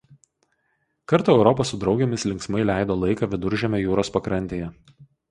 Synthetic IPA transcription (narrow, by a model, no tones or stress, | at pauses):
kɐɾt̪uːɛʊɾɔpɐsʊd̪ɾɒʊɡʲɛmʲɪslʲɪŋksmɐɪlʲæˑɪd̪oːlˠɐɪkɑʋʲɪd̪ʊɾʲʒʲɛmʲoːjuːɾoːspɐkɾɐnʲt̪ʲeːjɛ